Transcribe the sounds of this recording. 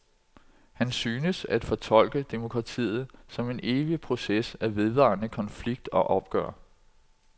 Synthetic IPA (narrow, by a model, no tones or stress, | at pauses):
hænsyːnəsæd̥fɒ̽t͡sʰɒ̽l̰ɡ̥əd̥emo̝kʰʁɑ̈t͡sʰḭːð̞̩ˠsɒ̽me̝ne̝ːʋipʰʁo̝sesæʋe̝ð̞ˠʋɑ̈nəkʰɒ̽nfliɡ̥̚d̥ɒ̽ʔɒ̽b̥̚ɡ̥ɶ̰ɐ̰